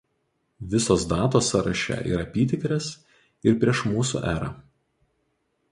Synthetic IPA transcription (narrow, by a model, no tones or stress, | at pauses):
ʋʲɪsoːsd̪ɑːt̪oːsɐɾɐʃʲæ̰ʔḭːɾɐpʲiːt̪ʲɪkɾʲɛs | ɪɾpʲɾʲiɛʃmuːsṵʔæːɾɑ̰